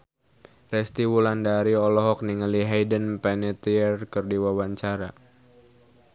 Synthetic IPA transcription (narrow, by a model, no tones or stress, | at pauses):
rɛst̪iwulandaɾiɔlɔɦɔk̚niŋəliɦajdənpɛnɛt̪iərkərdiwawaɲt͡ʃaɾa